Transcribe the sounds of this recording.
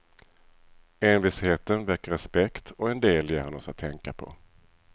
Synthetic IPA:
eːnvɪsheːt̪ənvɛkːɾɛspɛkt̪ʰɔɛnd̪eːljeːhɔnɔsat̪ʰːɛŋkapʰɔ̰

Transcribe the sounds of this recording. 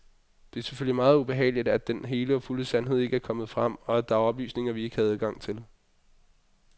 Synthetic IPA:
d̥e̝æɐse̥føl̰limɑ̈ːð̩ˠub̥e̝ɦɛ̰ːlid̥æd̥enɦe̝ːləɒ̽fuləsænɦe̝ð̞̰ˠe̝ɡ̥əæɐkʰɒ̽mð̩ˠfʁɑm̰ɒ̽æ̥d̥ɑ̈ɒ̽b̥ly̰ːsne̝ŋɐʋie̝ɡ̥hæð̩ˠɡ̥ɑ̈ŋ̰t͡sʰe̝l

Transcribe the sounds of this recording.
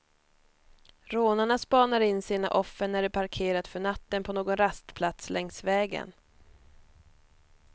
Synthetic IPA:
ɾoːnaɳaspɑːnaɾɪnːsiːna̰ʔɔfːəɳnæɖɛpʰaɾkʰeːɾat̪fœɳat̪ːənpʰɔnoːɡɔnɾast̪pʰlat̪slʔɛŋsvɛːɡə̰n

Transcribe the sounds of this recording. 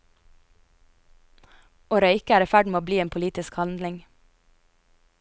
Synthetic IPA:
oːɾœʏkəæːɾifæɖmeːoːbliːeːnpʰʊliːt̪ɪskhɑnd̪lɪŋ

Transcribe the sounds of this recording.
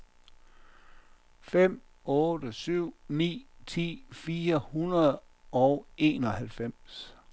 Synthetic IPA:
fem̰ | ɔ̽ːd̥əsyʊ̰nḭːt͡sʰḭːfiːɐhunɐð̩ˠ | ɒʊe̝̰ːnɒ̽hælfem̰s

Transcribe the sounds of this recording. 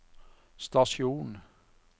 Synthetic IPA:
st̪ɑʃjuːn

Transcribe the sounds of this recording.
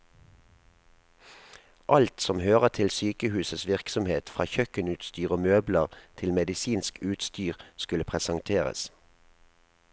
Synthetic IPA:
ʔɑlt̪sɔmhøːʁət̪ʰɪlsyːkəhʉːsəsʋɪʁksɔmheːt̪fʁɑ̰ːçœkənʉːt̪st̪yːʁomøːbləʁt̪ʰɪlmɛd̪ɪsiːnskʉːt̪st̪yːʁskʉləpʰʁɛsɑŋt̪ʰeːʁə̰s

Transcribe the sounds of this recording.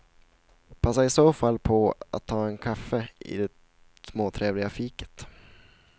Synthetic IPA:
pʰasːaɾɪsoːfalːpʰɔa̰t̪ʰːɑːɛnkʰafːəɪ̰d̪ɛ | smoːt̪ʰɾeːvlɪɡafiːkə̥t̪

